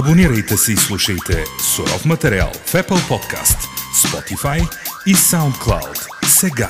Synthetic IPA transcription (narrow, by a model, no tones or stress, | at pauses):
ɐboniɾəjt̪ɛsɛislˠuʃəjt̪ɛsoɾɔ̰fmɐt̪ɛɾia̰lˠfɛpəlˠpɔt̪kʰa̰st̪spɔt̪ifajisawnt̪̚klˠa̰wd̪ | sɛɡa